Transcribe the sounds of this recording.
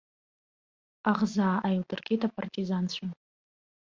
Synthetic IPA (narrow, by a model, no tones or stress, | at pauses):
aʁzaʔajɪltʼɨrɡʲʼejtʰapʼartʼizant͡ɕʷʰa